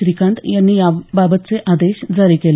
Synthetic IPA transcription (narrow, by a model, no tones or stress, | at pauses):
ɾikãɳt̪janːiːjababət̪t͡seʔad̪eɕd͡zəɾikel